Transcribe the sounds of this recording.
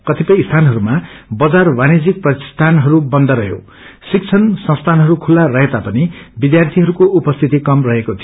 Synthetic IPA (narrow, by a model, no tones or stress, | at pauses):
kʌt̪ipʌjst̪ʰanɦʌɾumabʌd͡zarbanid͡zik̚prʌt̪i̥st̪ʰanɦʌɾubʌnd̪ʌɾʌɦjo̰ | sik̚t͡sʰʌnsʌ̃st̪ʰanɦʌɾukʰulːarʌɦet̪apʌnibid̪jart̪ʰiɦʌɾukoʔupʌst̪ʰit̪ikʌmrʌɦekot̪ʰijo